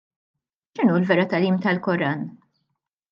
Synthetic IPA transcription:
ʃɪnuːlvɛɾɐt̪ɐliːmt̪ɐlkɔɾɐn

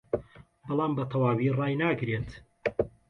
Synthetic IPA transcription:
bɑlˠɑːmbɐt̪ʰɐwaːwirɑːjnaːɡɾet̪

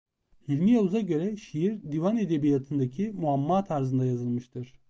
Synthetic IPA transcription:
hilʲmijaluzaɟø̞ɾɛʃijiɾd̪ivane̞d̪ebijat̪ʰɯnd̪acʰimuamːaːt̪ʰaɾzɯnd̪ajazɯlˠmɯʃt̪ʰɯɾ̥

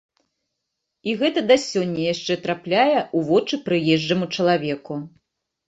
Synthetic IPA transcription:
iɣɛt̪ɐd̪asʲɔnʲːɐjaʂt͡ʂɛt̪ɾaplʲajɛʔuvɔt͡ʂɨpɾɨjɛʐd͡ʐɐmut͡ʂɐlˠavʲɛku

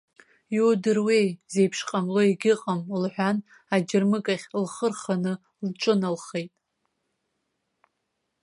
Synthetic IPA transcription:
jodɨrwe̞jze̞jpʰʂqʼamloiɡʲɪqʼamlħʷᶣan | ad͡ʒɪrmɨkʼaχʲlχərχanɨ | lʈ͡ʂʷʼɨnalχe̞jtʼ

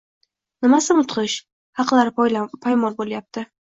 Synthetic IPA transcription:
nɪmasɪmʊt̪qʰɨʃ | hɑqlaɾpʰajmɒlboljap̚t̪ʰɪ

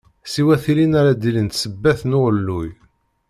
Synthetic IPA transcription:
siwæθilinaɾad̪ilənt̪səbːæθnʊʁəlːuj

